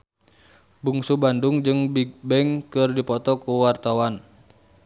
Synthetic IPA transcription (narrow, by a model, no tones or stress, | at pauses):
buŋsubanduŋd͡ʒɨŋbibɛŋkɨrdipɔt̪ɔkuwart̪awan